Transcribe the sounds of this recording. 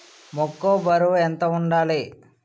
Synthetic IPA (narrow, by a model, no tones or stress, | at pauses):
mɔkːobɐɾuent̪ɐuɳɖaːli